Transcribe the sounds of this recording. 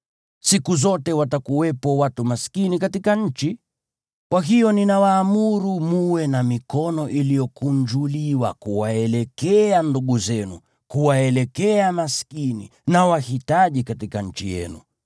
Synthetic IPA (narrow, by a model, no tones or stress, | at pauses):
sikuzɔtɛwatakuwɛpɔwatumaskinikatikaɲ̩t͡ʃi | kwaɦijɔninawaːmuɾumuwɛnamikɔnɔʔilijɔkund͡ʒuliwa̰kuwaɛlɛkɛanduɠuzɛnu | kuwaɛlɛkɛamaskinḭnawahitaʄikatikaɲ̩t͡ʃijɛ̰nṵ